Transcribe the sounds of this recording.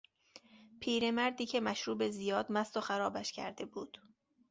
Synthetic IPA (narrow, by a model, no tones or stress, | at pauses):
pʰiːɾe̞mæɾd̪iːcʰe̞mæʃɾuːbe̞ziːjɒːd̪mæst̪oxæɾɒːbæʃcʰæ̰ɾd̪e̞buːd̪̥